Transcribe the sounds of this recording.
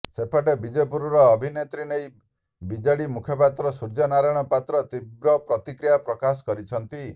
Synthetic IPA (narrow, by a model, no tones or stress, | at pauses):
sepʰaʈebid͡ʒepuɾɔɾɔːbʱinet̪ɾinej | bid͡ʒaɭimukʰjɔpat̪ɾɔsuɾd͡ʒɔnaɾɔjɽ̃ɔpat̪ɾɔt̪ibɾɔpɾɔt̪ikɾijapɾɔkasɔ̥kɔɾit͡ʃʰɔnt̪i